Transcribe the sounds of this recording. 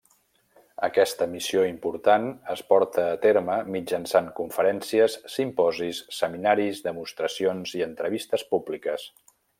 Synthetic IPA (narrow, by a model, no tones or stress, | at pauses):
əkɛst̪əmisioimpuɾt̪anəspɔɾt̪əːt̪eɾməmid͡ʒənsaŋkuɱfəɾɛnsiəsːimpɔzisːəminaɾizðəmust̪ɾəsionziənt̪ɾəβist̪əspublikəs